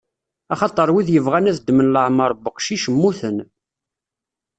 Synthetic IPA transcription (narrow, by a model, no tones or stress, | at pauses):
ɑχɑt̪ˤəɾˤwiðjəvʁænæθd̪ːmənləʕməɾˤbəqʃiʃəmːuθən